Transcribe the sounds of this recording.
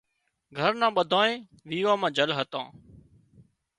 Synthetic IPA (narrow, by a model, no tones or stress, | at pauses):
ɡʱəɾnãːɓəd̪ʱãːẽː | ʋiːʋãːmãːd͡ʒəlɦət̪ãː